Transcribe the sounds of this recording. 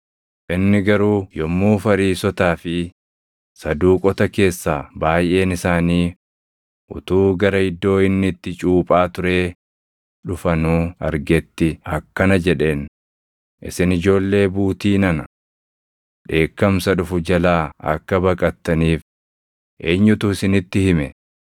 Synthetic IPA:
ʔɪnːɪɡɐɾuːjɔmːuːfɐɾiːsɔt̪aːfɪ | sɐd̪uːkʼɔt̪ɐke̞ːsːaːbaːjʔe̞ːnɪsaːniː | ʔʊ̰t̪uːɡɐɾɐɪd̪ːo̞ːɪnːɪt̪ːɪt͡ʃʼuːpʼaːt̪ʊɾe̞ː | ᶑʊfɐnuːɐ̰ɾɡɛt̪ːɪɐkːɐnɐd͡ʒɛᶑe̞ːn | ʔɪ̰sɪnɪd͡ʒo̞ːlːe̞ːbuːt̪iːnɐnɐ | ᶑe̞ːkːɐmsɐᶑʊfʊd͡ʒɐlaːɐ̰kːɐbɐkʼɐt̪ːɐniːf | ʔeːɲːʊt̪ʊɪsɪnɪt̪ːɪhɪmɛ

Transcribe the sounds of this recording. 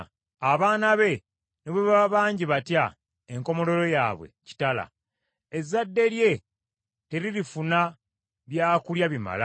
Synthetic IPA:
aβaːnaβe̞ | neβweβaβaːɲɟiβatja | eŋko̞mo̞lo̞ɾo̞jaːβwe̞̰ci̥tala̰ | ezːadːe̞ɾje̞ | te̞ɾiɾifuna | βjaːkuljaβima̰la̰

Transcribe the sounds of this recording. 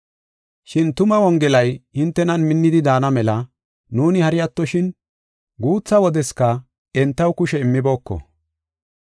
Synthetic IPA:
ʃɪnt̪ʊmɐwɔŋɡɛlɐjhɪnt̪ːɛnɐnmɪnːɪd̪ɪd̪aːnɐmɛlɐ | nuːnɪhɐɾɪjɐt̪ːɔʃɪn | ɡuːt͡sːɐwɔd̪ɛskɐ | ɛnt̪ːɐwkʊʃɛɪmːɪbo̞ːkːɔ̰

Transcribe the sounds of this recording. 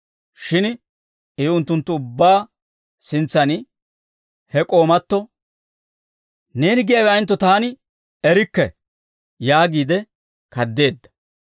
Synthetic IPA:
ʃɪn | ɛʊnt̪ːʊnt̪ːʊʊbːaː | sɪnt͡sːɐnɪ | hɛkʼo̞ːmɐt̪ːɔ | neːnɪɡɪjawɛɐjnt̪ːɔt̪aːnɪ | ɛɾɪkːɛ̰ | jaːɡiːd̪ɛ | kɐd̪ːe̞ːd̪ːɐ̥

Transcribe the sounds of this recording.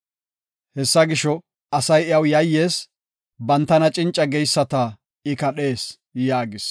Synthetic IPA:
hɛsːɐɡɪʃɔ | ɐsɐjɪjɐwjɐjːeːs | bɐnt̪ːɐnɐt͡ʃʼɪnt͡ʃʼːɐɡɛjsːɐt̪ɐ | ɪkɐɗe̞ːs | jaːɡɪs

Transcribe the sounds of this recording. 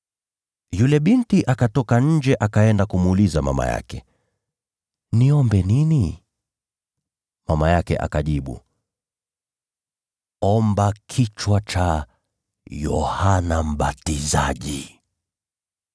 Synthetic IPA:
julɛɓintiʔakatɔkaɲ̩d͡ʒɛʔakaɛndakumːlizama̰ma̰ja̰kɛ | niɔmbɛnini | mamajakɛ̰ʔa̰kaʄiɓṵ | ɔmbakʰit͡ʃwat͡ʃa | jɔ̰hanam̩ɓatizaʄi

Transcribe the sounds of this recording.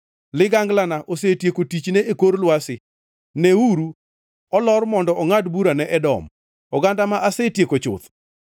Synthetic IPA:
lɪɡaŋɡlanaʔosetjekotit͡ʃneʔekoɾlwasɪ | neuɾu | ɔlɔrmɔndɔʔɔŋadbuɾanɛʔɛdɔ̰m | ɔɡandamaʔasetjekot͡ʃʊ̰t̪

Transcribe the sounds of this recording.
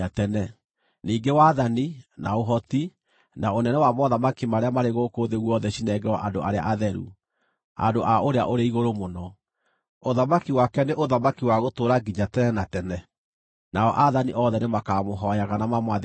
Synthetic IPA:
atɛnɛ | niːɡewaðanina̰oɦɔti | naonɛnɛwamɔðamakimaɾeamaɾeɣokoðeɣwɔðɛɕinɛɡɛwaʔandoʔa̰ɾea̰ʔaðɛɾṵ | a̰ndoʔaoɾea̰ʔoɾeiɣoɾomonɔ | oðamakiwakɛneʔoðamakiwaɣotoːɾaɡiɲatɛnɛnatɛnɛ | naɔ̰ʔaðaniʔɔðɛnemakaːmoɦɔjaɣanamamwa

